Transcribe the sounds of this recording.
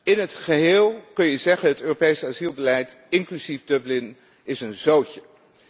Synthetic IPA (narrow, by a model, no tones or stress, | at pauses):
ɪnɦətχəɦeːlˠkɵnjəzɛχənɦətøːropejsazilˠbəlɛjt | ɪŋklyzivdɵblɪn | ɪsənzowcə